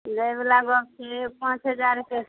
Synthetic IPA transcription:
dəjbelaɡɔksepãt͡ʃɦəd͡ʒaɾke

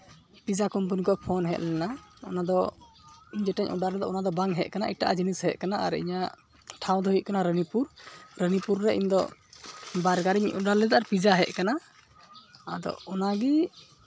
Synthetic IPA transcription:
pid͡ʒakɔmpənikɔʔpʰɔnɦɛt̪̚lɛnaɔnad̪ɔ | iɲd͡ʒɛʈɛɲʔɔɖaɾlɛd̪ɔ̰ʔɔnad̪ɔbaŋɦɛʔ̚kanaʔiʈaʔad͡ʒinishɛʔkanaʔa̰ɾɛḭɲa | ʈʰaw̃d̪ɔɦit̪̚kanaɾənipuɾɾənipuɾːɛʔḭɲd̪ɔ̰ | baɾɡaɾiɲɔɖaɾlɛd̪aʔaɾpid͡ʒaɦɛʔkana | ad̪ɔ̰ɔnaɡɛ

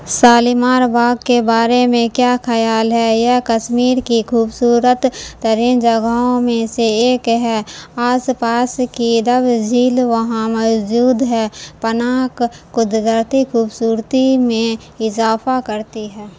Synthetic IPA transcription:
saːlimaːɾbaːɡkebaːɾemẽkjaxʰɐjaːlɦɛjakəʃmiːɾkikʰuːbsuːɾət̪ːəɾiːnd͡ʒɐɡaõmẽseeːkɦɛaːspaːskid̪əbd͡ʒiːlʋɐɦãmɔd͡ʒuːd̪ɦɛːpənaːkkʊd̪ɡ̪əɾt̪ikʰuːbsuːɾt̪imẽ | ɪzaːfakɐɾt̪iɦɛː

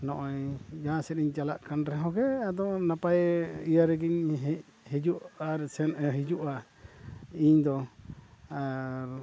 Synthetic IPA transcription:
nɔʔɔjd͡ʒasɛɾiɲt͡ʃalaʔkanɾɛɦɔ̃ɡɛad̪ɔnapajijaɾɛɡiɲɦ | hid͡ʒuʔaɾɛsɛnɛɦid͡ʒuʔa | iɲd̪ɔ | aɾ

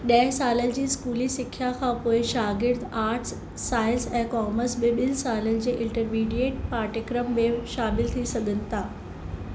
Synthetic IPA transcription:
ɗɐɦɪsaːlənɪ̆d͡ʑiːskuːlisɪkʰːjakʰãːpoːɪʃaːɡɪɾd̪aːɾʈsː | aːɪlsɛ̃ːkɔːməɾsɓɪɓɪlsaːlənɪ̆d͡ʑeːʔɪ̃ɳʈəɾmiːɖieːʈ̚paːʈɪkɾəmːẽːʃaːmɪlt̪ʰisɐɡʱənɪ̆t̪ʰaː

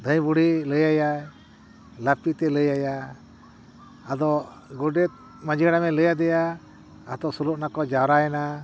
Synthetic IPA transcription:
d̪ʱə̃jbuɽiləjaja | lapit̪ɛləjaja | d̪ɔ | ɡɔɖɛt̪̚ | mad͡ʒiɽamɛləjad̪ɛjaː | t̪ɔsuluʔnakɔd͡ʒawɾaɛna

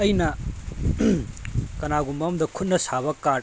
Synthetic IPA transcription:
ɐjnɐ | kɐnaɡumɐmd̪ɐkʰut̚nɐsabɐka

